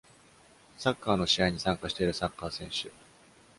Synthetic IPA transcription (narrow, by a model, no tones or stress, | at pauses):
sakːaːno̞ɕiaiɲ̟isãŋkaɕi̥t̪e̞iɾɯ̟sakːaːsẽ̞ɰ̃ɕɨ